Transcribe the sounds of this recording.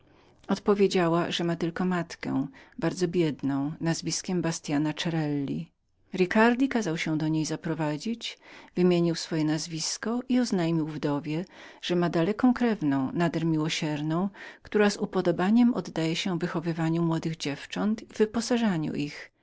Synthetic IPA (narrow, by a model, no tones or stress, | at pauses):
ɔt̪pɔvʲjed͡ʑawaʐɛmat̪ɘlkɔmat̪kɛ̰baɾd̪zɔbʲjɛd̪nɔ̃w̃nazvʲiskʲɛmbast̪ʲjanat͡ʂɛɾɛlːḭ | ɾikaɾd̪ʲikazawɕɛ̃d̪ɔɲejzapɾɔvad͡ʑit͡ɕvɘmʲjeɲiwsfɔjɛnazvʲiskɔʔiɔznajmʲiwvd̪ɔvʲjɛʐ̥ɛmad̪alɛkɔ̃w̃kɾɛvnɔ̃w̃nad̪ɛɾmʲiwɔɕɛɾnɔ̃w̃kt̪uɾazupɔd̪ɔbaɲɛmʔɔd̪ːajɛɕɛ̃vɘxɔvɘvaɲumwɔd̪ɘɣd͡ʑɛft͡ʂɔnt̪ivɘpɔsaʐaɲṵʔix